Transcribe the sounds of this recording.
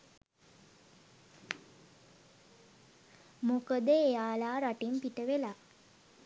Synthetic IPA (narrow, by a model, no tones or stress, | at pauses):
mokəd̪əejaːlaːɾaʈimpiʈəʋela